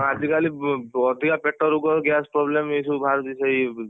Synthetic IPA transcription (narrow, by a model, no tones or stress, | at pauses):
ad͡ʒikaliɔd̪ʱikapeʈːɔɾuɡɔɡaspɾɔblemisubʱaɾt̪isei